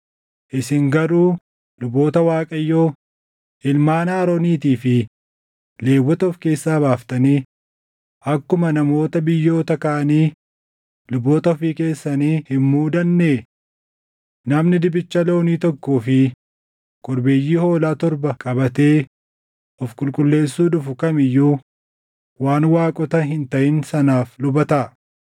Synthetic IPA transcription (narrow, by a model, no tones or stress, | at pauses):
ʔɪsɪŋɡɐɾuː | lʊbo̞ːt̪ɐwaːkʼɐjːo̞ː | ʔɪlmaːnaːɾoniːt̪iːfɪ | le̞ːwːɔt̪ɐɔfke̞ːsːaːbaːft̪ɐniː | ʔɐkːʊmɐnɐmo̞ːt̪ɐbɪjːo̞ːt̪ɐkaːʔɐniː | lʊbːoːt̪ɐɔfiːke̞ːsːɐniːhɪmmuːd̪ɐnːeː | nɐmnɪd̪ɪbɪt͡ʃːɐlo̞ːniːt̪ɔkːuːfɪ | kʼɔɾbeːjːiːho̞ːlaːt̪ɔɾbɐkʼɐbɐt̪e̞ː | ʔɔfkʼʊlkʼʊlːe̞ːsːuːᶑʊfʊkɐmɪjːuː | waːnwaːkʼɔt̪ɐɦɪnt̪ɐʔɪnsɐnaːflʊbɐt̪ɐ